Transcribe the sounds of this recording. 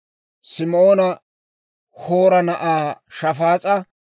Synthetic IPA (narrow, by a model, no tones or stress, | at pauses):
sɪmo̞ːnɐ | hoːɾɐnɐʔaːʃɐfaːt͡sʼɐ